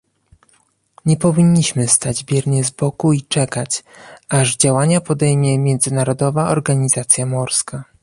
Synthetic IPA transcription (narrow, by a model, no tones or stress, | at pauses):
ɲɛpɔvʲiɲːiɕmɘst̪ad͡ʑbʲjɛɾɲɛzbɔkuit͡ʂɛkat͡ɕaʐd͡ʑawaɲapɔd̪ɛjmʲjɛmʲjɛnd̪zɘnaɾɔd̪ɔvaʔɔɾɡaɲizat̪sʲjamɔɾska